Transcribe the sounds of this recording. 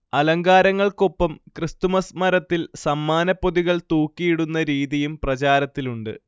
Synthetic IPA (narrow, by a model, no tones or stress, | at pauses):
ɐlɐŋɡaːɾɐŋːɐɭko̞pːɐmkrɨst̪umɐsmɐɾɐt̪ːilsɐmːaːnɐpːo̞ðiɣɐɭt̪uːkːijiɽunːɐɾiːðijumprɐt͡ɕaːɾɐt̪ːiluɳɖɨ̰